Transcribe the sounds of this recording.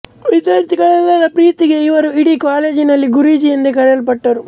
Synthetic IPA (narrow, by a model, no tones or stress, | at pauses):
ʋid̪jɐɾt̪iɡɐɭɛlːɐɾɐpɾiːt̪iɡe̞iʋɐɾuiɽikaːle̞ːd͡ʒinɐlːiɡuɾiːd͡ʒiɐnd̪ekɐɽɐlɐpɐʈːɐɾu